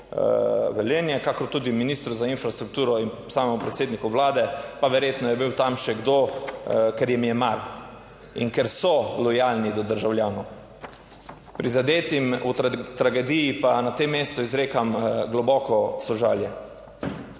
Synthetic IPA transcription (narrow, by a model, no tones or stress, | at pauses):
ʋɛleːnjɛkakɔɾt̪ud̪iminiːst̪ɾuzainfɾast̪ɾukt̪uːɾɔinsaːmɛmupɾɛt̪seːd̪nikɔʋlaːd̪ɛpaʋɛɾjeːt̪nɔjɛbiwt̪amʃɛɡd̪o | kɛɾjɛmijɛmaɾ | ḭnkɛɾsɔlɔjalnid̪ɔd̪əɾʒawljaːnɔ | pɾizad̪eːt̪imut̪ɾaɡɛd̪ijipanat̪emːeːst̪ɔizɾeːkamɡlɔbɔːkɔsɔʒaːljɛ